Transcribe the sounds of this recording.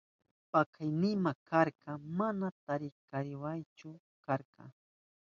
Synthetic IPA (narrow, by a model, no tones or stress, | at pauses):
pakʰajnɪmakaɾkɑmanat̪aɾɪkaɾɪwajt͡ʃʊ | kaɾqɑ̰